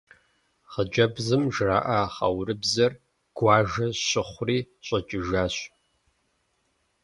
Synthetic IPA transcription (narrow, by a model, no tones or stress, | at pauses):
χəd͡ʒɐbzɨmʒra̰ːʔaχɐ̰wɾɨbzɐr | ɡ̥ʷɑːʒɐɕɪχʷʊriː | ɕʷʼɐt͡ʃʼɪʒaːɕ